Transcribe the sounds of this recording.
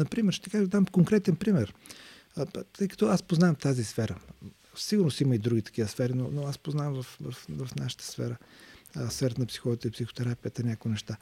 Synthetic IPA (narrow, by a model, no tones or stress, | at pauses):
nɐpɾimɛɾʃt̪ɛkaʒd̪amkoŋkɾɛt̪ɛnpɾimɛɾ | t̪əjkɐ̥t̪ɔaspoznavɐmft̪azisfɛɾə | fsiɡʊɾnosiməid̪ɾuɡʲit̪ɐ̥k̟ivəsfɛɾinonoaspoznamvɐfvɐfvɐfnaʃə̥t̪ə̥sfɛ̰ɾə | sfɛɾət̪nɐpsi̥xɔvət̪əipsixo̥t̪ɛɾapijət̪ənʲakʊinɛʃt̪a